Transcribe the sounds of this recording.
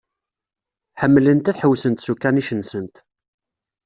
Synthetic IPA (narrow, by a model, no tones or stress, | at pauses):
ħəmːlənt̪æθħəwːsənt̪sukːæniʃənːsənt̪